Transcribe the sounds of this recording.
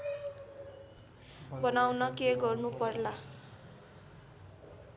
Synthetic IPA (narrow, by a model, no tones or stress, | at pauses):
bʌnawnʌkeɡʌrnupʌrla